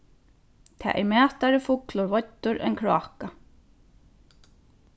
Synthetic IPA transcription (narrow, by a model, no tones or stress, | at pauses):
t̪ʰa̰ːʔɛ̰mæːht̪aɾɪfʊklʊɾvɔt̪ːʊɾʔɛ̰nkʰɹɔ̰ːhka